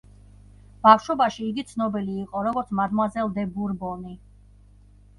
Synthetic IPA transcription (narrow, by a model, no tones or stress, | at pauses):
b̥afʃɔbaʃiːɡit̪sʰnɔbiliːqʼɔɾɔɡɔɾt̪sʰmad̪mazɛlˠd̪ɛbuɾbɔni